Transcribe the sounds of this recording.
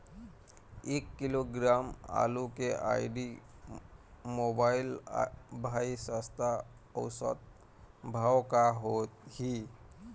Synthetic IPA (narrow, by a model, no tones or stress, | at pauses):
eːkːiloɡɾama̰lukeʔa̰jɖi | mobaɪlbʱaisast̪ʰa | ɔwsə̰t̪̚ | bʱawkaɦot̪̚hi